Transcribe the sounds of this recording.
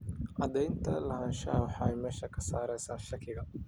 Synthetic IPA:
ʔɐd̪ɛjnt̪ʰɐlɐɦɐːnʃɐwħɑɛjmɛːʃɐkʰɐsaːɾɛjsaːnʃɐkʰɪɣɐ

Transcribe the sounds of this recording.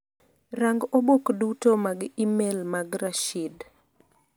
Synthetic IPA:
raŋɡobokdutomaɡimelmaɡɾaʃid

